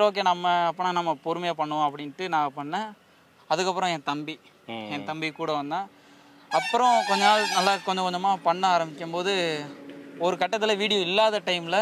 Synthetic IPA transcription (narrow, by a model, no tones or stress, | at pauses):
oːk̬ːeːnɐmːɐɐpːɐnaːnɐmːɐpɔɾɯmɐjɐpɐɳːɐõɐpːɐɽɪnʈːɯnãːɐpɐɳːɛ̃ | ɐðɯkːɐpːɯɾɔ̃ɛ̃t̪ɐmbi | ɛ̃nt̪ɐmbikuːɽɐʋɐnd̪ãː | ɐpːɯɾɔ̃kɔɲd͡ʒɐnaːlnɐlːaːkɔɲd͡ʒɐ̃kɔɲd͡ʒɐmaːpɐɳːɐaːɾɐmbɪkʲːɐmpoːðɯ | ɔɾɯkɐʈːɐt̪ːɪlɐʋiːɽɪjɔ̃ɪlːaːðɐʈɐɪmlɐ